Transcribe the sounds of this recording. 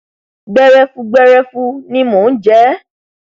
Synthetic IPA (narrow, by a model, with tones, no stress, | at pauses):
ɡ͡bɛ˦ɾɛ˦fu˦ɡ͡bɛ˦ɾɛ˦fu˦nĩ˦mõ˨n̩˦d͡ʒɛ˦